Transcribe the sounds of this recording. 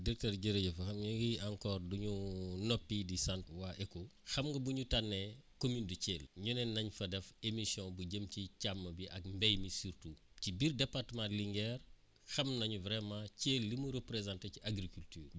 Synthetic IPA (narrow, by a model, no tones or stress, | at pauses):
dik̚tɛɾɟəɾeɟɐfɐxɐmɲuɡiãŋkɔːrduɲunɔpːidisantwaʔɛkoxɐmŋɡɐbuɲutanːekomynduceːlɲunɛnɐɲfɐdɛfemisjɔ̃buɟəmcicamːɐbiʔɐk̚mbɛjmisirtu | cibiːrdɛpartəmãnliŋɡɛːr | xɐmnɐɲuvɾɛmãceːlːimuɾəpɾezãːnteciʔaɡɾikultyːr